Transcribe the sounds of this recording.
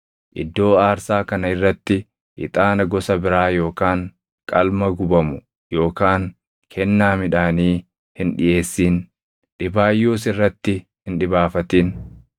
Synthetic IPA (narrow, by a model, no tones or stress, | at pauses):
ʔɪ̰d̪ːo̞ːaːɾsaːkɐnɐɪrːɐt̪ːɪ | ʔɪ̰t̪ʼaːnɐɡɔsɐbɪɾaːjo̞ːkaːŋ | kʼɐlmɐɡʊbɐmʊ | jo̞ːkaːŋ | kʰɛnːaːmɪᶑaːniː | hɪnᶑɪjʔe̞ːsːiːn | ᶑɪbaːjːoːsɪrːɐt̪ːɪ | hɪnᶑɪbaːfɐt̪iːn